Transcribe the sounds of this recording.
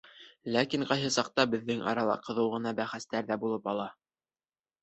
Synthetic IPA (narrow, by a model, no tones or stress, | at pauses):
lækiɴqɑjɦɤsɑq̚t̪ɑbɘ̆ðːɘŋʔɑ̰ɾɑlˠɑ̰qɤ̆ðɤwʁɤ̆nɑbæχæst̪æɾðæbulˠɤpɑlˠɑ